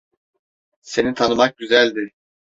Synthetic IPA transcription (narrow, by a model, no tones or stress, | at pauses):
se̞nit̪ʰanɯmak̚ɟyzælʲd̪ɪ